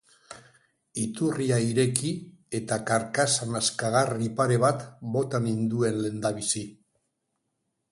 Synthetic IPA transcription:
it̪uriaiɾe̞kie̞t̪akaɾkasanaskaɣaripaɾe̞βat̪bo̞t̪anind̪ue̞nle̞nd̪aβ̞isi

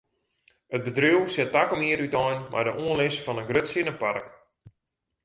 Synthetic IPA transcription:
ət̚bədriwsɪtakəmiəɾytɔjnmʔa̰rdəʔuənlɪsfɔnənɡrøtsinəpark

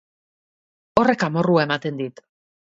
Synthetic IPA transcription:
o̞re̞kamo̞ruae̞mat̪e̞nd̪it̪

